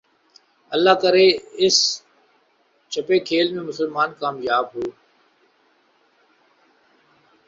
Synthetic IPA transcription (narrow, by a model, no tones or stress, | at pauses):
əlːaːkəɾeːɪs | t͡ʃʰəpeːkʰeːlmẽːmʊsəlmaːnkaːmjaːbɦoː